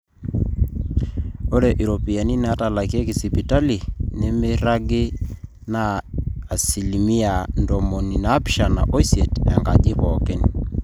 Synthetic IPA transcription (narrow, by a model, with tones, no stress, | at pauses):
o˦ɾɛ˨ʔi˨ɾo˨pi˨a˨ni˦na˦ta˨la˨ki˦e˦ki˨si˨pi˨ta˦li˨nɪ˦mɪ˦ɾa˦ɡɪ˦ | naː˨ | si˨li˨mi˦a˨ndɔ˨mo˨ni˨na˨˦pʃa˨na̰˨ʔo˦i˦sje˨tɛ˨ŋɡa˨ʄɪ˦pɔ˨kɪ˦n